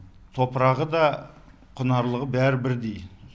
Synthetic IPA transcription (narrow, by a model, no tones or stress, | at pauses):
t̪ʰo̞pəɾɑʁəd̪ɑ | qʰʊnɑɾlˠəʁəbæɾɪbɪɾd̪ej